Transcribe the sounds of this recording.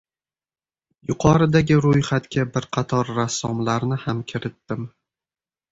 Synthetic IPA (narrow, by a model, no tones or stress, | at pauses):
jʊqʰɒɾɪd̪aɡʲɪɾʊjχat̪kʲabɪɾqʰɑt̪ʰɒɾːasːɒmlaɾnɪhamkʲʰɪɾɪt̪ːɪm